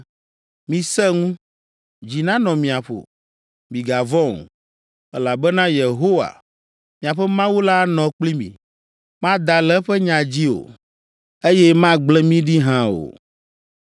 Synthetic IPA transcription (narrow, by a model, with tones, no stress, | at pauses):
mĩ˨sɛ˦ŋũ˦ | d͡ʑi˨nã˦nɔ̃˨mĩ˨a˨ɸo̰˨ | mĩ˨ɡa˨vɔ̃˦˨ŋ˨ | ɛ̰˦la˨bɛ˦nã˦je˨ɦo˦wa̰˨ | mĩ˨a˨ɸɛ˦mã˦wu˦la˦nɔ̃˨k͡pli˦mḭ̃˨ | mã˦d̪a˨lɛ˦ɸɛ˦ɲã˨d͡ʑi˦o̰˨ | e˦jɛ˦mã˦ɡ͡blɛ˦mĩ˦ɖi˦ɦã˦o̰˨